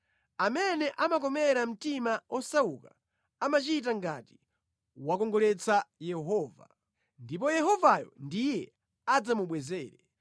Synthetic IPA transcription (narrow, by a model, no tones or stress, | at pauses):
amɛnɛʔamak̬ɔmɛɾam̩timaɔsauka | amat͡ʃit̬aŋɡati̥ | wakɔŋɡɔlɛt͡sʰajɛɦɔːva̰ | ndip̬ɔjɛɦɔvajɔ̰ndijɛ | ad͡zamuɓwɛzɛːɾɛ